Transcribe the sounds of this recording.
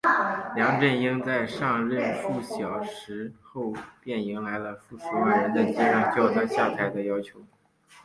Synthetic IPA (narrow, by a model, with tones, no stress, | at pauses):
ljɑ˧˥ŋʈ͡ʂə˥˩ni˥ŋt͡sa˥˧ɪʂɑ˥˧ŋɻə˥˧nʂu˥˩ɕjɑ˨˩ʊʂɻ̩˧˥xo˥˧ʊpjɛ˥˩ni˧˥ŋla˧˥ɪlə˧fu˥˩ʂu˧˥wa˥˩ɻə˧˥nd̪ə˧t͡ɕɛ˥ɻɑ˥˩ŋt͡ɕo˥˩na˥˧ɕja˥˩t̪ʰa˧˥ɪd̪ə˧jɑ˥ʊt͡ɕʰjo˧˥ʊ